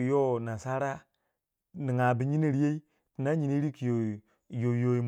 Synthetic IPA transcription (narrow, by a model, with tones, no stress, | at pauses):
jo˦na˨sa˦ɾa˦ | ni˨ŋa˨bi˨ɲi˦ni˦ɾe˦i˦ | ti˨na˦ɲi˨ni˦ɾi˦ki˨jo˨ | jo˨jo˨i˨m˨